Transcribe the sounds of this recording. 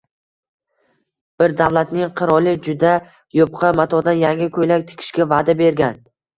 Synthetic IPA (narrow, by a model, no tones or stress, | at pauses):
b̥ɪɾd̪avlˠat̪nɪŋqʰɨɾɒlˠɪd͡ʒʊd̪a | jop̚qʰɑmat̪ʰɒd̪anjaŋʲɪkʰɵjlak̚ʲt̪ʰɪ̥kʲʰɪ̥ʃkʲavad̪abe̞ɾɡʲan